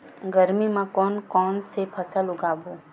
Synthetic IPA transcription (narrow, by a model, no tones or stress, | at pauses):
ɡəɾmimãkɔːnkɔːnsepʰəsəlʊɡaːboː